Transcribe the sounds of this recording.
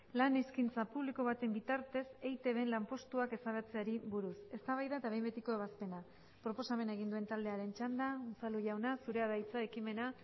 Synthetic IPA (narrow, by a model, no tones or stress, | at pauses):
laniskint͡sapuβliko̞βat̪e̞mbit̪aɾt̪e̞se̞jt̪eβe̞nlampo̞st̪uake̞saβet͡se̞aɾiβuɾuse̞st̪aβajðaet̪aβe̞jmbet̪iko̞e̞β̞aspe̞na | pɾo̞po̞same̞naeɣind̪ue̞nt̪ald̪e̞aɾe̞nt͡ʃand̪ausaluʝawnasuɾe̞aðajt͡saekime̞na